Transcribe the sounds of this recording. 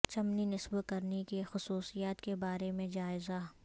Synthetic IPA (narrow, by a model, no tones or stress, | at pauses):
t͡ʃɐmninɪsbkɐɾnekexʊsuːsijaːt̪kebaːɾemẽd͡ʒaːɪza